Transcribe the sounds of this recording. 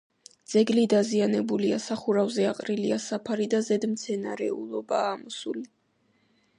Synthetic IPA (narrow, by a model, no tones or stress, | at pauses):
d̪z̥ɛɡlid̪azianɛbuliasaχuɾavzɛaqʼɾiliasapʰaɾid̪azɛd̪mt̪sʰɛnaɾɛ̰ṵlˠɔbaːmɔsuli